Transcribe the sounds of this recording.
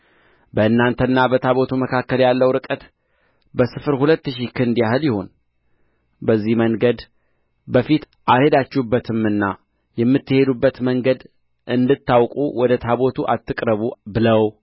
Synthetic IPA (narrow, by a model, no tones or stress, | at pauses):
bəɨnːant̪ʰənːabət̪ʰaβo̞t̪ʰuməkʰakːəljalːəwɾɨkʼət̪ | bəsɨfɨɾhulət̪ːɨʃikʰɨnd̪jahɨljɪho̞n | bəzːihməŋɡəd̪ | bəfit̪ | ʔaɾhe̞d̪at͡ʃːɛhubːət̪ʰɨmɨnːa | jɛmːɨt̪ːɨhe̞d̪ubːət̪məŋɡəd̪ | ʔɨnd̪ɨt̪ːawkʼuwɔd̪ət̪ʰaβo̞t̪ʰuʔat̪ːɨkʼɾəβubɨləw